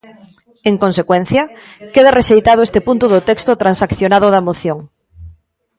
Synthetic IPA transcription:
eŋkonsekwɛn̟θjɐkeðareʃejt̪að̞oest̪epunt̪oðot̪ɛkst̪ot̪ɾansakθjonaðʊð̞ɐmoθjoŋ

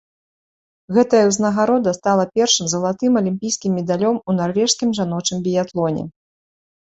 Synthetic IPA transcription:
ɣɛt̪ɐjɐwznɐɣaɾɔd̪ɐst̪alˠɐpʲɛrʂɨmzɐlˠat̪ɨmɐlʲimʲpʲijskʲimːʲɛd̪alʲɔmunarvʲɛʂskʲimʐanɔt͡ʂɨmbʲijat̪lˠɔnʲɛ̰

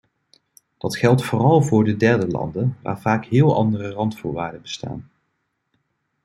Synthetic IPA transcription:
d̥ɑtχɛlˠtfʊːrɑlˠvʊːɹdədɛɹdəlɑ̰ndənʋa̰ːɹvaːkɦɪːlˠɑ̰ndərərɑntfʊːɹʋaːɹdəbəsta̰ːn

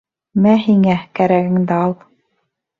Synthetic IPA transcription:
mæɦiŋækæɾæɡɘ̆ŋd̪æɑlˠ

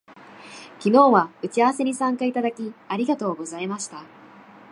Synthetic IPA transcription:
kʲino̞ːβaɯ̟t͡ɕiaβase̞ɲ̟isãŋkait̪ad̪akʲiaɾʲiɡat̪o̞ːɡo̞zaimaɕi̥t̪a

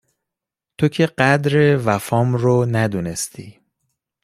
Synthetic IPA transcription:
t̪ʰocʰe̞ɢæd̪ɾe̞væfɒːmɾonæd̪une̞st̪ʰḭː

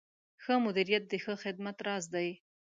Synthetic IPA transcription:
xəmʊd̪iɾijat̪̚d̪əxəxɪd̪̚mat̪ɾɑzd̪aj

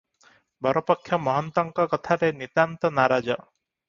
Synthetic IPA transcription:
bʱɔɾɔpɔkʰːjɔmɔɦɔnt̪ɔŋkɔkɔt̪ʰaɾenit̪ant̪ɔnaɾad͡ʒɔ

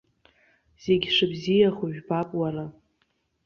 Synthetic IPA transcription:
z̥e̞ɡʲʂɨbzijaχuʒᶣbapʼwaɾa

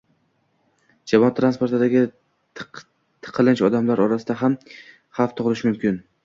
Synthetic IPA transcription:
d͡ʒamɒt̪ʰːɾanspo̞ɾt̪ʰad̪aɡʲɪ | t̪ʰɨ̥qʰɨlɪnt͡ʃɒd̪amlaɾɒɾasɪd̪aɦam | haft̪ʰʊʁlˠɪʃmʊmkʲɪn

